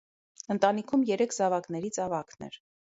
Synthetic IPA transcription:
ənt̪ɑnikʰumjɛɾɛkʰzɑvɑknɛɾit͡sʰɑvɑknɛ̰ɾ

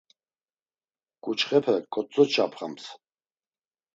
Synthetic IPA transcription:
kʼut͡ʃχɛpʰəkʼɔt͡sʼːɔt͡ʃʰapʰχa̰ms

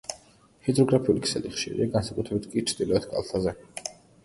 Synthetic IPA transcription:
hid̪zɾɔɡɾapʰiulikʰsɛlḭχʃḭɾḭaɡansakʼut̪ʰɾɛbit̪̚ʰkʼit͡ʃʰd̪̥ilˠɔɛt̪ʰɡʼa̰lˠt̪ʰazɛ

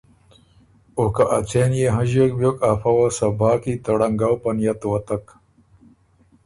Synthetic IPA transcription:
okaʔɐt͡ɕenjeɦɐ̃ʑok̚bjokafɐwasɐbaːkit̪ɐɽɐŋɡawpɐnjɐt̪wɐt̪ɐk

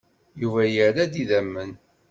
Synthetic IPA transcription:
juvæjəɾæd̪iðæmːən

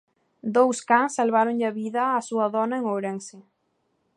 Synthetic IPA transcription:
d̪owskaŋsːalβ̞aɾoŋʎaβiðɐːsuɐðɔnaeŋowɾeŋse

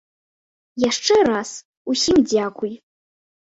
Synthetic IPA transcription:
jaʂʈ͡ʂʰɨɾas | usimd͡zakʷʰuj

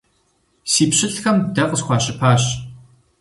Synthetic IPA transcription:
siːpɕɪɬxɐmdɐqəzxʷɑːɕɪpʰaːɕ

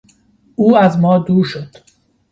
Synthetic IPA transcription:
ʔuːæzmɒːd̪uːɾʃo̞d̪̥

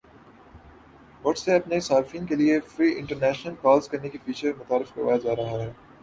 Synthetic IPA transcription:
ʋʊʈseɐpnesaːɾfiːnkeliefɾiːʔɪ̃ɳʈəɾnɛːʃnəlkɔːlzkɐɾnekifiːt͡ʃʰəɾmʊt̪aːɾɪfkɐɾʋa̰ːjad͡ʒaːɾɐɦaɦɛː

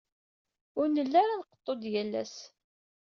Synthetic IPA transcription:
ʊɾnəlːaɾanqə̥t̪ˤːod̪jælːæ̰s

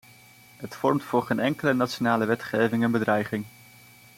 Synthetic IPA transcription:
ɦətfɔɹmtfʊːɹχejnɛŋkələnatʃonaːləʋɛtχejvɪŋɛnbədrɛjχɪŋ

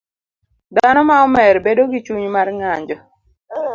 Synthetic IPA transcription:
d̪anɔmaɔmɛɾbedoɡit͡ʃuɲmarŋaɲd͡ʒɔ

